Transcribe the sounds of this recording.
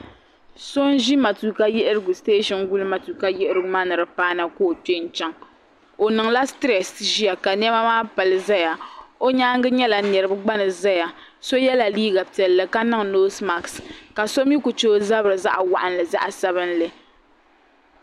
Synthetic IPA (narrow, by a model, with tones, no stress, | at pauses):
so˦n˦ʒi˦ma˨tu˨ka˦jɛ˦ʔɪ˦ɾɨ˦ɡu˨steː˦ʃɔ˨nɡu˦lɨ˦ma˨tu˨ka˦jɛ˦ʔɨ˦ɾɨ˦ɡʊ˦maː˦nɨ˨ɾɨ˨paː˦na˦koː˦˨pe˦n̩˦t͡ʃɛ˦ŋ | o˨nɨ˨ŋla˦stɾɛ˨sʒi˦a˨ka˨n˦ɛ˦ba˦maː˦pa˨lɨ˦za˦ja˨o˦ɲaː˦ŋɡɨ˦ɲɛ˦la˨nɛ˨ɾɨ˦bɨ˦ɡ͡ba˦nɨ˨za˦ja˨ | so˦jɛ˦la˨liː˦ɡa˨pi˨ɛ˨lːɨ˨ka˦nɨ˦ŋ˨noː˦sma˨kska˨so˦m˦ji˦ku˨t͡ʃoː˦za˦bɾɨ˨za̰˦ʔa̰˨wa̰˦ʔa˨n˨lɨ˨za̰˦ʔa˨sa˦βɨ˦nlɨ˨